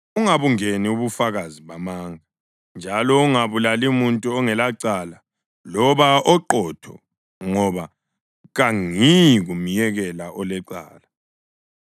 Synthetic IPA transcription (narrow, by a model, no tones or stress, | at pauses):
uŋaβuŋeniuβufaɣaziβamaːŋa | nd͡ʒʱalɔuŋaβulalimuntʼuɔŋɛlaǀala | lɔβaʔɔǃɔtʰɔ̰ | ŋɔβa | ɣaŋiɣumijɛɣɛlaʔɔlɛǀa̰ːla